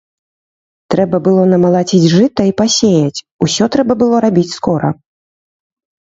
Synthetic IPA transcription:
t̪ɾɛbɐbɨlˠɔnɐmɐlˠat͡sʲid͡zʲʐɨt̪ɐipasʲejɐt͡sʲ | usʲɔt̪ɾɛbɐbɨlˠɔɾabʲit͡sʲskɔɾɐ̰

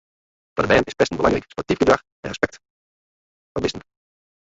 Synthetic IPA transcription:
fɔdəbɛːnɪspɛstn̩bəlɑ̰ŋrəkspɔtifɡədrɑx | ɛ̰nrəspɛk̚t | ʋɔt̚bɪsən

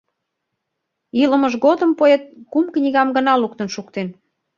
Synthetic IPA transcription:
ilə̆məʒɣod̪əmpoet̪̚kumknʲiɣɑmɡənɑluk̚t̪ənʃukt̪en

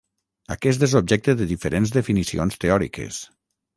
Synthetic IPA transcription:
a̰kɛst̪ezob̚ʒɛk̚t̪eðəðifeɾenzðefinisionst̪eɔɾḭkḛs

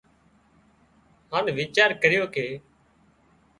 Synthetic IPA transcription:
ɦaːnʋiːt͡ʃaːɾkəɾɪjoːkeː

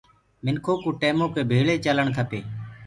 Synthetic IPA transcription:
mɪnkʰoːkũːʈeːmõːkʰeːbʱeːɭeːt͡ʃələɳkʰəpeː

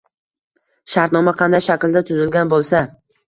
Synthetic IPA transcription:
ʃaɾt̪nɒmaqʰɑnd̪ajʃakʲld̪at̪ʰʊzɪlɡʲanbolˠsa

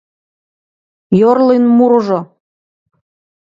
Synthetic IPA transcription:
jorlenmuɾɤʒo

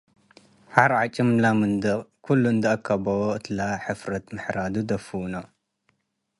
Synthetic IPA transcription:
ħaɾʕat͡ʃʼɨmlamɨnd̪ɨkʰulːund̪ɐʔɐkʰːɐbɐwoʔɨt̪ʰlaħɨfɾɐt̪mɨħɾad̪ud̪ɐfɨwno

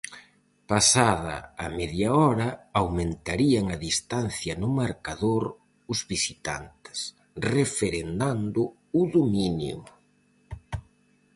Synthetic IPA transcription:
pasaðɐ̰amɛðjaɔɾɐawmẽnt̪aɾiaŋaðist̪anθjɐnʊmaɾkaðoɾ | ʊzβisit̪a̰nt̪ɪ̥s | refeɾend̪and̪ʊ | ʊðominjʊ̰

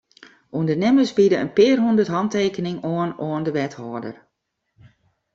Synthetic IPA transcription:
uəndənɪməsbidəənpɪːrɦundərtɦɑnteːkənɪŋoənoəndəʋɛthɔːdə̰r

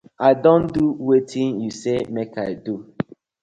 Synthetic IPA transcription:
aɪdõnduwetʰĩnjusemekaɪdu

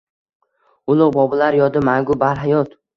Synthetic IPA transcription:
ʊlˠʊqbɒbɪlaɾjɒd̪ɪmaŋɡʊbaɾɦajɒt̪

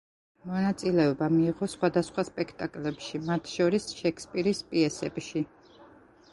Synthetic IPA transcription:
mɔnat̪sʼilɛɔbamiːʁɔsχwad̪asχwaspʼɛkʰt̪ʼakʼlɛpʃimat̪ʰʃɔɾisʃɛkʰspʼiɾispʼiɛsɛbʃi

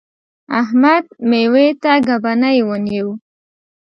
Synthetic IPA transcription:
a̰hmad̪mewet̪aɡabanajwənew

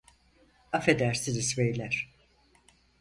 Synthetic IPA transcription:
afed̪æɾsinizvejlʲæɾ̥

